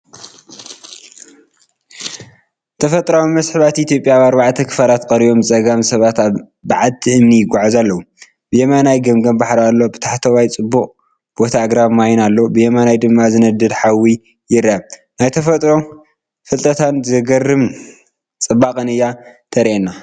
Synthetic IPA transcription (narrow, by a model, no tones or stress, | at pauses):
t̪ʰɐfɐt̪ʼɾawimɐsħɨβat̪ʔit̪ʰjo̞pʼjaβaɾbaʕt̪ʰɐkʰɨ̥falat̪kʼɐɾijo̞mt͡sʼɐɡamsɐβat̪aβ | baʕalt̪ʰiʔɨmnijɪɡʷaʕazalːɐwu | b̥ɨjemanajɡɐmɡɐmbaħɾalːo̞bɨt̪ʰaħt̪ʰɐwajt͡sʼɨbːuχʼ | b̥o̞t̪ʰaɡɾaβmajnalːobɨjɛmanajd̪ɨmːazɨnɐd̪ɨd̪ħawi | jɪɾaβnajt̪ʰɐfɐt̪ʼɾo̞ | fɨlt̪ʼɐt̪ʰanzɐɡɐrːɨm | t͡sʼɨbakʼɐnɨjat̪ʰɐɾʔenːa